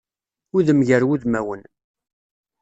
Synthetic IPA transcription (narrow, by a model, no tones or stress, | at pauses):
ʊðəmʝəɾwuðmæwən